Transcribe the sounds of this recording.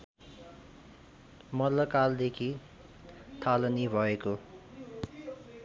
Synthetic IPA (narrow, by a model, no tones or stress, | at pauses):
mʌllːʌkald̪ekʰi | t̪ʰalʌnibʱʌeko